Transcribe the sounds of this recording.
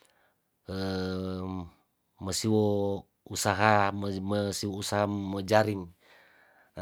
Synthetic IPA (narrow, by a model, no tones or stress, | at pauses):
ə | məsiwɔ | usaɦamməsiwousaɦaməd͡ʒaɾiŋ